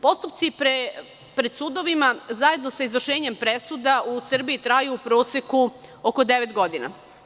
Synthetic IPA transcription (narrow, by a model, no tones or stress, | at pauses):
po̞st̪upt̪sipɾ | pɾe̞d̪sud̪o̞ʋimazaje̞d̪no̞saizʋr̩ʃe̞ːɲe̞mpɾe̞sud̪ausr̩biit̪ɾajuːpɾo̞ːsekuoko̞d̪e̞ʋet̪ɡo̞d̪ina̰